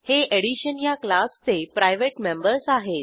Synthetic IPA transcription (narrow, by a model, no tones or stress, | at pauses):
heʔeɽiɕənjaklast͡sepɾajʋeʈmẽmbəɾsaɦet̪̚